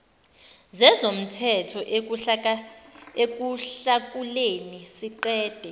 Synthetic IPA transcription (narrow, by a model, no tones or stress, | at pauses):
zɛzom̩tʰɛtʰɔʔ | ek̬uɬak̬ulenisiǃɛːd̥ʱɛ